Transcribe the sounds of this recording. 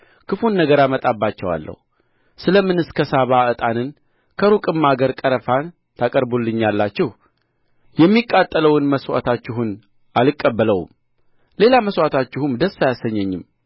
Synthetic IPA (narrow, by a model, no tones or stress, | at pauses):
kɨfunːəɡəɾamət̪ʼabːat͡ʃːɛwa̰lːə̰hu | sɨləmːɨnɨskʰəsaβaɨt̪ʼanɨn | kʰəɾukʼɨmːaɡəɾkʼəɾəfan | t̪ʰakʼəɾbulːɨɲːalːat͡ʃːɪh | jɛmːikʼːat̪ʼːələwɨnməswa̰t̪ʰat͡ʃːɪɦun | ʔalɨkʼːəbːələw̰m | le̞laməswat̪ʰat͡ʃːɪhumd̪əsːajasːəɲːɛɲːɪm